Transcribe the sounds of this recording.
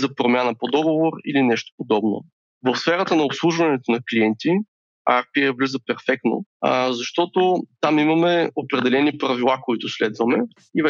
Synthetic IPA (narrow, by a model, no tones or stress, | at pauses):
zɐpɾomʲjanəpod̪ɔɡovoɾḭlinɛʃt̪o̥pod̪ɔbno̰ | vəfsfɛɾət̪ənɐopslˠuʒvɐnɛt̪onɐkliɛnt̪i | aɾpiɛvlizəpɛɾfɛk̚t̪no̰zɐʃt̪ɔt̪ot̪amimɐmɛopɾɛd̪ɛlɛnipɾɐvilˠakoit̪ʊslɛd̪vəmɛ | ivɛ